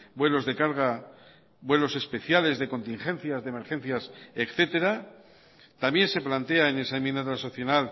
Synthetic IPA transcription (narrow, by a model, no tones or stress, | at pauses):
bwe̞lo̞zðe̞kaɾɣ̞a | bwe̞lo̞se̞spe̞θjale̞zðe̞ko̞nt̪iŋxẽ̞nθjazðemeɾxẽ̞nθjasekθe̞t̪e̞ɾa | t̪ambje̞nse̞plant̪e̞aene̞saeminat̪ɾasoθjonal